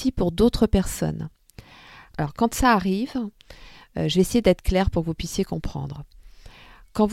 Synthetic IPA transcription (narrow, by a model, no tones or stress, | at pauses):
ipuʁd̪ot̪χəpɛʁsɔ̰n | alɔʁkɑ̃t̪saːʁiv | øʒəveːsejed̪ɛt̪χə̥klɛʁpuʁkəvupɥisjekɔ̃pχɑ̰̃d̪ʁə | kɑ̃v